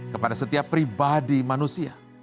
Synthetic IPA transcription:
kəpadasət̪iapːɾibadimanusia

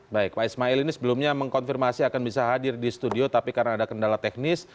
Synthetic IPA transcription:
baɪk̚paismaɛlinisəbəlumɲaməŋkɔnfirmasiakanbisaɦadɪrdisə̥t̪udiot̪apikarnaːdakəndalat̪ɛk̚nɪs

